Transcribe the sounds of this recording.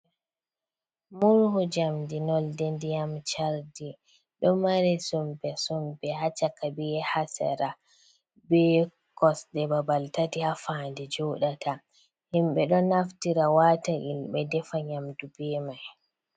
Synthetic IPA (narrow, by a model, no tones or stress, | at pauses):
muɾhud͡ʒamdinɔldendijamt͡ʃaɾdi | ɗɔmaɾɛsumbɛsɔmbɛhat͡ʃakabiɛhasɛ̰ɾa | bɛ | kɔsdɛbabaltatihafaːndɛd͡ʒɔɗatʰa | himɓɛɗɔnaftiɾawaːtaʔilɓɛdɛfaɲamdubɛːmaj